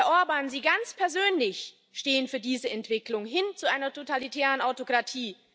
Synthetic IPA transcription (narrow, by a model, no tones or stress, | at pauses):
ɐʔoʊɐbaːnziːɡant͡spʰɛɐzøːnlɪç | ʃteːənfyːɐdiːzəɛntv̥ɪklʊŋɦɪnt͡suʔaɪnɐtʰotalitʰɛːʁ̞ənaʊtokʁ̥atʰiː